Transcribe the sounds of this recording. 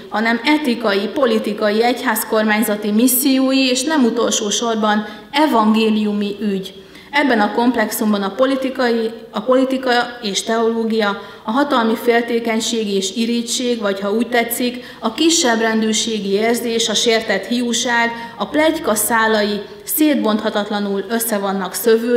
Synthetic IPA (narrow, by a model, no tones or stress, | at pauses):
hɒnɛmɛt̪ikɒjipo̞lit̪ikɒjiɛchaːsko̞rmaːɲzɒt̪imisːijoːjieːʃnɛmut̪o̞lʃoːʃo̞rbɒn | ɛvɒŋɡeːlijumiʔyɟ | ɛbːɛnɒko̞mplɛksumbɒnɒliiiɒpo̞lit̪ikɒeːʃt̪ɛo̞loːɡijɒ | ɒɦɒt̪ɒlmifeːlt̪eːkɛɲʃeːɡieːʃiɾit͡ʃeːɡvɒchɒuːc̚t̪ɛt̪sːik | ɒkiʃːɛbrɛnd̪øːrʃeːɡieːrzeːʃɒʃeːrt̪ɛt̪hijuʃaːɡɒplɛckɒsaːlɒji | seːd̪̚bo̞nt̪hɒt̪ɒt̪lɒnulø̞sːɛvonːɒksø̞vøː